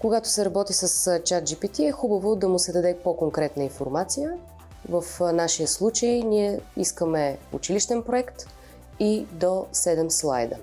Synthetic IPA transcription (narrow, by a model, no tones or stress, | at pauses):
koɡat̪o̥sɛɾɐbɔt̪isəst͡ʃat̪̚d͡ʒipit̪iɛxubəvod̪ɐmʊsɛd̪ɐd̪ɛpokoŋkɾɛt̪nəinfoɾmat̪sijə | vəfnaʃijəslˠut͡ʃəjniɛiskəmɛṵt͡ʃiliʃt̪ɛnpɾoɛkt̪ | id̪osɛd̪ɛmslˠa̰jd̪ə̰